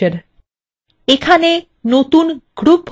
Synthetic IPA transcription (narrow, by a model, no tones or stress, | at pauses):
eɾ | ekʰane | not̪unɡ̥ɾup